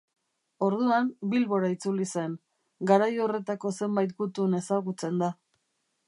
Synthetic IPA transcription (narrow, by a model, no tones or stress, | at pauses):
o̞ɾðuambilβo̞ɾait͡sulise̞n | ɡaɾajo̞re̞t̪ako̞se̞mbajt̪ɡut̪une̞saɣut͡se̞nd̪a